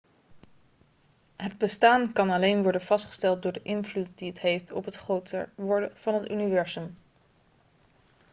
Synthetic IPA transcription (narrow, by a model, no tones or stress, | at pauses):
ɦədbəstaːnkɑnɑlejnʋɔɹdənv̥ɑstχə̥stɛlˠt̚dʊːɹdəʔɪnvlut̚diətɦejftɔpɦətχrowtə̰ʋɔɹdəv̥ɑnɦəty̰nivɛɹzɵm